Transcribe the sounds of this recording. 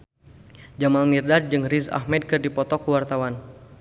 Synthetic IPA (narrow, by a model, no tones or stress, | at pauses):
d͡ʒamalmirdad̚d͡ʒɨŋriza̰hmɛd̚kɨrdipɔt̪ɔkuwart̪awan